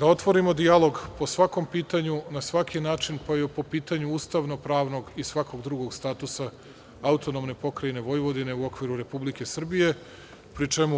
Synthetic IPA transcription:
d̪ao̞t̪ʋo̞ɾimo̞d̪ialo̞ɡpo̞sʋako̞mpiːt̪aɲunasʋakʰinaːt͡ʃinpajpo̞piːt̪aɲuuːst̪aʋno̞pɾaːʋno̞ɡisʋako̞ɡd̪ɾuɡo̞ɡst̪aːt̪usa | aut̪o̞nomne̞po̞kɾajne̞ʋo̞jʋo̞d̪ine̞uo̞kʋiɾuɾe̞publike̞sr̩bije̞ | pɾit͡ʃe̞mu

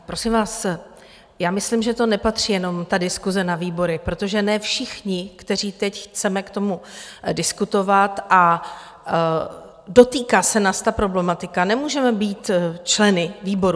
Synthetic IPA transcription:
pɾo̞sɪmvaːs | jaːmɪslimʒɛt̪o̞nɛpat̪r̝̥iːjɛno̞mt̪adɪskuzɛnaviːbo̞ɾɪpɾo̞t̪o̞ʒɛnɛfʃɪxɲɪkt̪ɛr̝iːt̪ɛcxt͡sɛmɛkt̪o̞mudɪskut̪o̞vat̪ʔa | do̞t̪iːkaːsɛnaːst̪apɾo̞blɛmat̪ɪkanɛmuːʒɛmɛbiːt̪t͡ʃlɛnɪviːbo̞ɾu

